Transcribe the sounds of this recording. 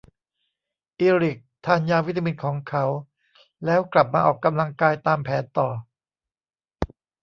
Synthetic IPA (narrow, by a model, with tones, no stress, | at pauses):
ʔiː˧ɾi˨˩k̚t̪ʰaː˧njaː˧wi˦˥t̪ʰːa˧mi˧˩n̚kʰɔː˩˦ŋkʰa˦˥w | lɛː˦˥wkla˨˩p̚maː˧ʔɔː˨˩kːa˧mla˧ŋkaː˧jt̪aː˧mpʰɛː˩˦nt̪ɔː˨˩